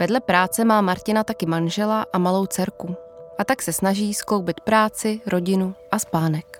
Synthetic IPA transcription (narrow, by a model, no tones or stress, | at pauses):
vɛdlɛpɾaːt͡sɛmaːmaɾcɪnat̪akɪmanʒɛlaʔamalo̞wt͡sɛɾkuʔat̪aksɛsnaʒiːskowbɪt̪pɾaːt͡sɪɾʔo̞ɟɪnuʔaspaːnɛk